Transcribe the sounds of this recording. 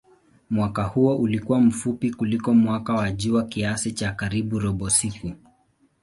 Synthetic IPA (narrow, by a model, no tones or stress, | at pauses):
mwakahuɔʔulikuwam̩fupikulikɔmwakawaʄuwakiasit͡ʃakaɾiɓuɾɔɓɔsiku